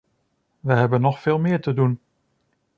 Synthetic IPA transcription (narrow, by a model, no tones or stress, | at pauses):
ʋəɦɛbənːɔxfɪːlˠmɪːɹtədun